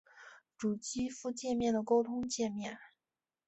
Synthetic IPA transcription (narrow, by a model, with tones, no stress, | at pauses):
ʈ͡ʂu˨˩t͡ɕi˥fu˥˧t͡ɕjɛ˥˧mjɛ˥˩nd̪ə˩ko˥ʊt̪ʰʊ˥ŋt͡ɕjɛ˥˧nmjɛ˥˩n